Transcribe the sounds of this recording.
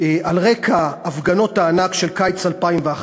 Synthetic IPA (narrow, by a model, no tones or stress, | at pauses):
alʁekaːvɡano̞thaːnakʃelkajt͡salpaimveaχ